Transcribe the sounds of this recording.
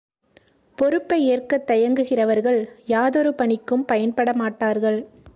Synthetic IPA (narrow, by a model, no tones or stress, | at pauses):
pɔɾɯpːɐɪeːrkɐt̪ːɐjɐŋɡɯɣɪrɐʋɐɾɣɐɭjaːðɔɾɯpɐɳɪkːɯmpɐjɐnpɐɽɐmaːʈːaːɾɣɐɭ